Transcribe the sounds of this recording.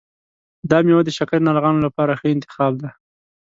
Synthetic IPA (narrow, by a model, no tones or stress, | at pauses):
d̪ɑmewad̪əʃakaɾnaɾɣɑnolapɑɾaxəɪnt̪ɪ̥xɑbd̪a